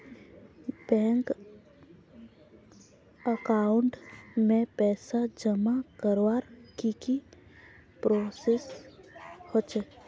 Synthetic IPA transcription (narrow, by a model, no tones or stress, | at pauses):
bɛ̃ːŋk | əkaːʊɳʈmẽpɛːsad͡ʒəmakəɾwaːɾkiki | pɾoːses | hoːt͡ʃe